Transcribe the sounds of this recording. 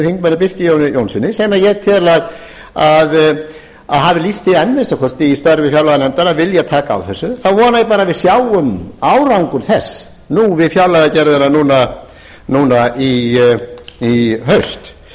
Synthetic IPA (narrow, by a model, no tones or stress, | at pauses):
θiŋkmɛnɪpɪr̥cɪjownɪjownsɪnːɪsejmajɛɣt̪ʰɪðlaɣ | að | a̰ðɦavɪlist̪ɪɛnmɪnst̪akʰɔst̪ɪist̪œɾvɪfjawlaɣanɛnt̪aɾavɪljat̪ʰaːka̰ːwθɛsːʏθawvɔːnajp̬aːɾavɪðsjaːwʏmawɾawŋkʏɾθɛsː | nuvɪðfjawlaɣacɛɾðʏnanuːna | nuːnai | iɦœɥst̪